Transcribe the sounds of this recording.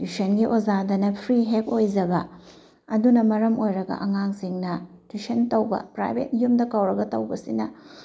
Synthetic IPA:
dusɐnɡiʔozadɐnɐpʰɾiɦek̚ojd͡ʒɐbɐ | ɐdunɐmɐɾɐmojɾɐɡɐ̰ʔɐŋaŋsiŋnɐtusɐntɐwbɐ̰pɾa̰jbʱḛt̚jumdɐkɐwɾɐɡɐtɐwbɐsḭnɐ

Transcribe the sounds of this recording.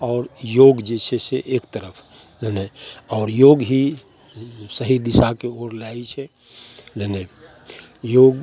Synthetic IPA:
ɔːɾjoːɡd͡ʒeseseʔeːkt̪əɾəpʰ | leneɔːɾjoːɡɦi | səɦid̪isakeoɾlait͡ʃʰɛ | lene | joːɡ

